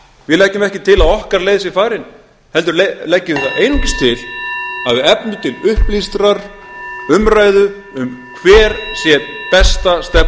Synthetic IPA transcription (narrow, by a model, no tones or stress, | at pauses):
vɪlɛcːʏmɛhcɪt̪ʰɪlaðɔhkaɾleːjðsjɛfaːɾɪn | hɛlt̪̬ʏɾlelɛcːɪɪθaʔeːjnucɪst̪ʰɪlaðvɪɛpnʏt̪ʰɪlʏhplist̪ɾaɾ̥ | ʏmɾaːjðʏ | ʏmkʰvɛːɾsjɛpɛst̪ast̪ɛp